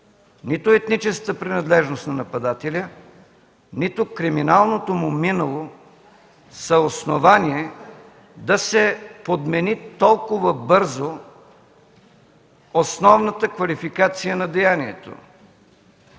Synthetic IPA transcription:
nit̪ʊɛt̪nit͡ʃɛskət̪əpɾinɐd̪lɛʒnost̪nɐnɐpɐd̪at̪ɛlʲə | nit̪ʊkɾiminalˠnot̪omʊminəlˠo | sɐosnovaniɛ | d̪ɐsɛpod̪mɛnit̪ɔlˠkʊvəbɤɾzo | osnɔvnət̪əkvɐlifikat̪sijənɐd̪ɛjaniɛt̪o̰

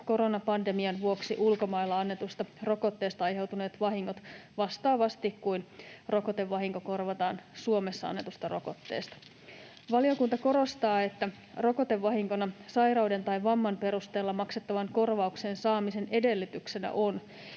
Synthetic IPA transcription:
ko̞ɾo̞nɑpɑnde̞miɑnʋuo̞ksiʔulko̞mɑilːɑɑnːe̞t̪ust̪ɑro̞ko̞t̪ːe̞ːst̪ɑɑjɦe̞wt̪une̞ːt̪ʋɑɦiŋːot̪ʋɑst̪ɑːʋɑst̪ikkujnro̞ko̞t̪e̞ʋːɑɦiŋko̞ko̞rʋɑt̪ɑːnsuome̞sːɑɑ̰nːe̞t̪ust̪ɑro̞ko̞t̪ːe̞̰ːst̪ɑ̥ | ʋɑlio̞kunt̪ɑko̞ɾo̞st̪ɑːe̞t̪ːæ | ro̞ko̞t̪e̞ʋːɑɦiŋko̞nɑsɑjrɑwde̞nt̪ɑjʋɑmːɑnpe̞ɾust̪e̞ːlːɑmɑkset̪ːɑʋɑŋko̞rʋɑukseːnsɑːmise̞ne̞de̞lːyt̪ykse̞næ̰ʔo̞n

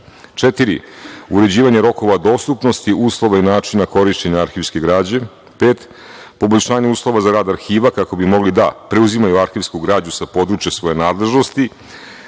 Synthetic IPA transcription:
t͡ʂet̪iɾiuɾe̞d͡ʑiːʋaɲeɾo̞ko̞ʋad̪o̞ːst̪upno̞st̪iʔuːslˠo̞ʋainaːt͡ʃinako̞ɾiʃt͡ɕe̞ɲaaɾxiːʋskʲe̞ɡɾaːd͡ʑe̞ | peːt̪ | po̞boʎʲʃaːɲeuːslˠo̞ʋazaɾaːd̪aɾxiːʋakako̞bimo̞ɡlid̪apɾeuzimajuaɾxiʋskuɡɾaːd͡ʑɲusapo̞d̪ɾuːt͡ʃjesʋo̞jenaːd̪le̞ʒno̞st̪i

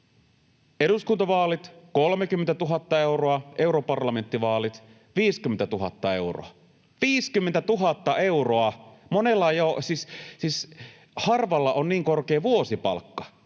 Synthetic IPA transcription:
eɾuskunt̪ɑʋɑːlit̪kolmekymːent̪æt̪uɦɑt̪ːɑe̞uroɑʔe̞uɾopɑrlɑme̞nt̪ːiʋɑːlit̪ | ʋiːskyment̪æt̪uɦɑt̪ːɑe̞uro̰ɑ | ʋiːskymːent̪æt̪uɦɑt̪ːɑʔe̞uroɑmonelːɑjosissiːs | hɑrʋɑlːɑʔonniːŋkorkeːʋuosipɑ̰lkːɑ̥

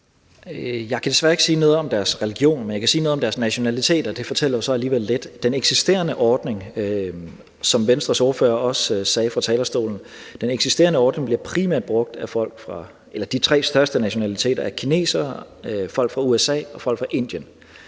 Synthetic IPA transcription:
jɑ̈ɪkʰæd̥e̝sʋæːɐe̝ɡ̥siːnɔ̽ːð̞̩ˠɒ̽md̥æɐsʁɛliɡ̥jo̝̰ːnmenjɑ̈kʰæsiːnɔð̩ˠɒmd̥æɐsnæɕo̝nælit͡sʰe̝̰ːd̥ɐd̥e̝fɒ̽t͡sʰel̰ɐjosɒ̽æliːʋel̰ːed̥ːeneɡ̥sisd̥e̝̰ːɐnəʔɒːd̥ne̝ŋ | sɒ̽mʋensd̥ʁɐso̝ɐfø̰ːɐɒ̽ssɛːfʁɑ̈t͡sʰɛːlɐsd̥o̝̰ːln̩ | d̥eneɡ̥sisd̥e̝ːɐnəɒːd̥ne̝ŋbliɐpʰʁimæɐ̰d̥̚b̥ʁɔ̽ɡ̥̚d̥æfɒ̽l̰ɡ̥fʁɑ̈ | elɐd̥it͡sʰʁɛ̰ːsd̥ɶɐsd̥ənæɕo̝nælit͡sʰe̝̰ːdɐæɐkʰine̝̰ːsɐ | fɒ̽l̰ɡ̥fʁɑ̈uesɛ̰ːɒ̽fɒ̽l̰ɡ̥fʁɑ̈ʔe̝n̰d̥jən

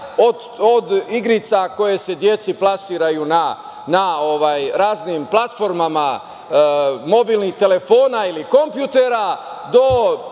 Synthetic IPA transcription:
o | od̪iɡɾit̪sako̞je̞se̞d̪je̞t̪siplasiːɾajuna | nao̞ʋajɾaːznimplat̪fo̞ɾmama | mo̞biːlniht̪e̞le̞fo̞ːnailiko̞mpjut̪eɾad̪o̞

